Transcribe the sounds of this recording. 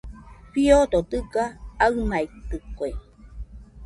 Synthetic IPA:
ɸiod̪ot̪ɨkaːɯmait̪ːɨkoe

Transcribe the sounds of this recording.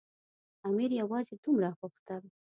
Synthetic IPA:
ɑmiɾjawɑzed̪umɾaɣuxt̪al

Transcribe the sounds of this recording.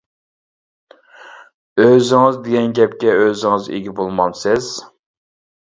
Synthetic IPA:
øzɪŋɨzd̪eɡʲɛnɡʲɛp̚kʲɛøzɪŋɨzḛɡʲibolˠmɑnsɪz̥

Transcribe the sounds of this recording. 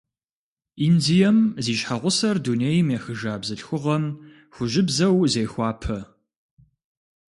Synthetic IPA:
iːndijɐmziːɕħaʁʷʊsɐrduːnejmeːxɨʒaːbzɨɬxʷʊʁɐm | xʷʊʒɪbzɐwzejxʷɑːpʰɐ

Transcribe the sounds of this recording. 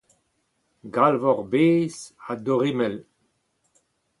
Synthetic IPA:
ɡalvɔʁbeːzadoʁimɛl

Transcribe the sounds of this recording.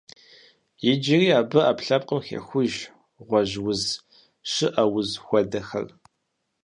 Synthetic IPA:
jɪd͡ʒɪriːaːbɨapɬɐp̚qʼəmxḛxʷʊʒ | ʁʷɔʑwʊz | ʂɨʔɐwʊzxʷɔdɐxɐ̰r

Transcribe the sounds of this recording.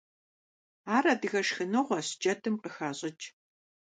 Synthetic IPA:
aːrɐdɨɣɐʂxɨnɨʁʷɔɕd͡ʒʼɐtʰɨmqəxaːɕʼɪt͡ʃʼ

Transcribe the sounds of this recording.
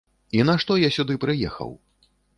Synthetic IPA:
in̪ɐʂt̪ɔjasʲud̪ɨpɾɨjɛ̰xɐ̰w

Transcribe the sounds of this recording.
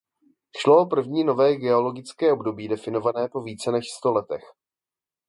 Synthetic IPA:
ʃloopr̩vɲiːno̞vɛːɡɛo̞lo̞ɡɪt͡skɛːʔobdo̞biːdɛfɪno̞vanɛːpo̞viːt͡sɛnɛʃst̪o̞lɛt̪ɛx

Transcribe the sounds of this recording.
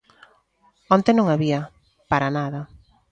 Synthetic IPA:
ɔnt̪enõŋaβiɐ | paɾanaðɐ

